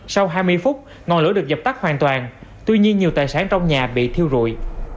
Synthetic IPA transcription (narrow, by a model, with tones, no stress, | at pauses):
sa˧wɦaː˧jmɨ˧əjfʊ˦˥t̚ | ŋɔ˨˩nlɨ̰˧˥əɗɨ˨˩ək̚zə˨˩p̚t̪a˦˥k̚hwaː˨˩nt̪waː˨˩nt̪wi˧ɲi˧ənɲi˨˩t̪aː˨˩jsaː˨˦nt͡ɕɔ˧wŋ͡mɲaː˨˩ɓḭ˧˨t̪ʰi˧əwzṵ˧˨j